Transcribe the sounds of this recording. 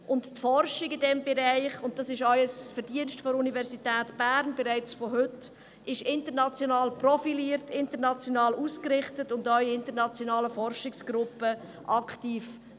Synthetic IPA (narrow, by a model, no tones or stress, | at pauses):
ʔʊnttfɔrʃɪɡɪdɛmbɛɾaɪχʊnt̚d̥ɑsɪʃɔʏəsfəɾdiənʃtfɔunivɛɾsitɛːtb̥æːɾnb̥ɛɾaɪt͡sfɔɦʏt | ɪʃɪntəɾnɑt͡sjonɑːlprɔfiliːəɾtɪntəɾnɑt͡sjonɑːluːskɾɪχtətʊndœɥɪntəɾnɑt͡sjonɑːləfɔɾʃɪksɡ̥ɾʊpə | ʔɑktiːf